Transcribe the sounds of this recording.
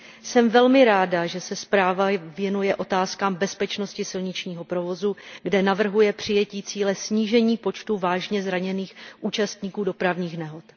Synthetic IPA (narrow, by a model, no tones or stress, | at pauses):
sɛmvɛlmɪɾaːdaʒɛsɛspɾaːvavjɛnujɛʔo̞t̪aːskaːmbɛspɛt͡ʃno̞scɪsɪlɲɪt͡ʃɲiːɦo̞pɾo̞vo̞zuɡdɛnavr̩ɦujɛpr̝̥ɪjɛciːt͡siːlɛsɲiːʒɛɲiːpo̞t͡ʃt̪uvaːʒɲɛzɾaɲɛniːxʔuːt͡ʃast̪ɲiːkuːdo̞pɾavɲiːxnɛɦo̞t̪